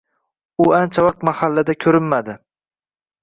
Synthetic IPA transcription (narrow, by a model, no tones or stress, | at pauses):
ʊant͡ʃʰavaq̚t̪mahalːad̪akʲʰɵɾɪmːad̪ɪ